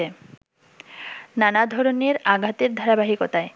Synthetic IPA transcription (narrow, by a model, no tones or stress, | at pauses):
e | nanad̪ʱɔɾoneɾaɡʱat̪eɾd̪ʱaɾabaɦikot̪ae